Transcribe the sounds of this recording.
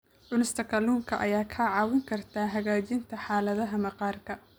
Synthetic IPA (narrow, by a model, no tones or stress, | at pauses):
ʕʊnɪst̪ʰɐkʰɐluːŋkʰɐʔɐjaːkʰɐʕɑːwɪŋkʰɐrt̪ʰaːɦɐɣaːt͡ʃɪnt̪ʰɐħɑːlɐðɐɦɐmɐqɑːrkʰɐ